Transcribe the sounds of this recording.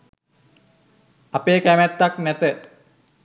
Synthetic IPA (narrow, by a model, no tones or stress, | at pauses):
apeːkæmæt̪ːaknæt̪ə